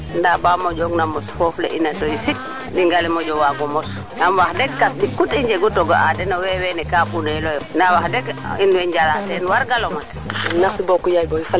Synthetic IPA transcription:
ndabamod͡ʒɔɡnamɔsfɔflḛʔinatojisit̚ | diŋɡalɛmoɟɔwaɡɔmɔs | namwahdɛɡkasdikutiɲd͡ʒɛɡutoɡɔ̰ʔadɛnowɛwɛnɛkapunɛlɔjnawahdɛɡinwɛɲd͡ʒalatɛnwaɾɡalomat | nasibɔkujajboifa

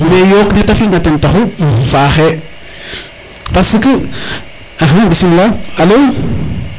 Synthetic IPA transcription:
nejokdetafiŋɡatentaxufaxe | paskə | aɦabisimlaalow

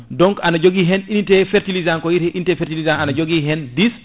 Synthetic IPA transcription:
dɔŋkanad͡ʒoɡiɦɛninitɛfɛɾtilizaŋkɔjiɾhɛʔinitɛfɛɾtilizaŋanad͡ʒoɡiɦɛndis

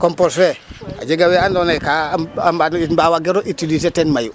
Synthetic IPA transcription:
komposɾea̰ɟeɡaweandonekamanibawaɡeɾoʔitilisetenmaju

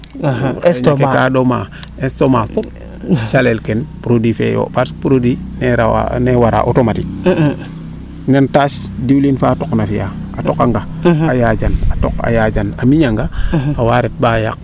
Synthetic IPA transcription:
skkadomaestoma | t͡ʃalelkɛnpɾodwifḛjo̰paspuɾodineɾawa̰newaɾa̰ʔotomatik̚ | nantaːʃ | diwlinfatoknafija̰atokaŋɡaajad͡ʒanato̰ka̰jaːd͡ʒanamiɲaŋɡaawaɾet̚baːja̰k̚

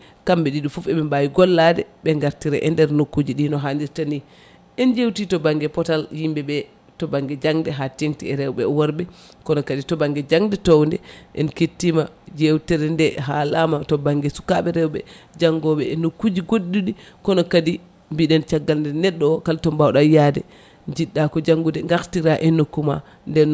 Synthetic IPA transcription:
kambɛɗiɗufufɛɓɛmbajiɡɔlːadɛ̰ɓɛŋɡaɾtiɾɛʔɛndɛɾnokːud͡ʒiɗinɔɦandiɾtani | ʔɛnd͡ʒewtitɔbaŋɡɛpɔtaljimbɛbɛ | tɔbaŋɡɛd͡ʒaŋdɛɦatiŋtiɛɾɛwɓɛ̰wɔɾbɛ | kɔnɔkaditɔbaŋɡɛd͡ʒaŋdɛtowndɛʔɛ̰nketːima | d͡ʒewtɛɾɛndɛɦalamatɔbaŋɡɛsu̥kaɓɛɾɛwɓɛ̰d͡ʒaŋɡɔɓɛɛnːokːud͡ʒiɡoɗːuɗikɔnɔkadi | mbiɗɛnt͡ʃaɡːalndɛnɛɗːɔkaltɔmbawɗajadɛ̰ | d͡ʒiɗːakɔd͡ʒaŋɡudɛŋɡaktiɾaʔɛnːokːuma̰ | ndɛn

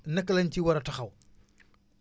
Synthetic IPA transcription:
nɐkːlɐnciwɐɾɐtɐxɐw

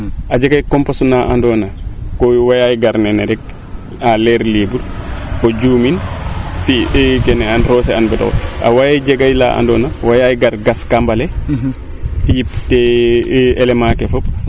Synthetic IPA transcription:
ʔad͡ʒɛɡajkɔmpasunaʔa̰ndɔnakɔwajajiɡaɾnɛnɛɾɛk | alɛɾleːbuɾkɔd͡ʒuːminfikɛnɛanɾɔːs̬ɛanbɛtɔ̰ɔ̰a̰wajajd͡ʒɛɡajla̰ʔa̰ndɔnawajajɡaɾɡaskambalɛ | jiptɛ | ʔɛlɛmakɛfɔp

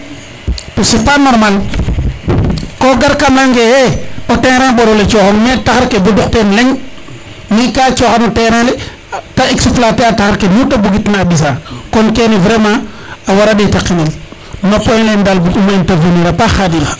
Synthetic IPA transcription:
tosipanoɾmal | koɡaɾkamlaŋɡejeoteŋɾãŋɓoɾolet͡ʃoxaŋmetaxaɾkedoduktenleŋ | mikaːt͡ʃoxanoteɾale | taiksiflateataxaɾkenutabuɡitnaːbis̬akonkenivɾema | awaɾaditakːinil | napːojlendalbukumainteveniɾapaxadiɾa

